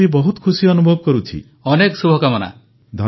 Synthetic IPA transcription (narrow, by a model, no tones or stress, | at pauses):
ibɔɦut̪kʰusiɔnubʱɔb̚kɔɾut͡ʃʰḭ | ɔneksubʱɔkamɔna̰ | d̪ʱɔ